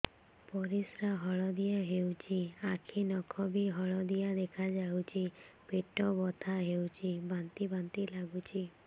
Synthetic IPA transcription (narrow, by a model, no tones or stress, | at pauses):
pɔɾisɾaɦɔɭɔd̪ijaɦewt͡ʃʰiakʰinɔkʰɔbiɦɔɭɔd̪ijad̪ekʰad͡ʒawt͡ʃʰipeʈɔbɔt̪ʰaɦewt͡ʃʰibant̪ibant̪ilaɡut͡ʃʰi